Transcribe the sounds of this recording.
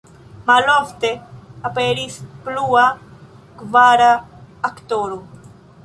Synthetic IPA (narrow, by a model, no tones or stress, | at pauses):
malɔft̪eapeɾisplua | kvaɾaːkt̪oɾu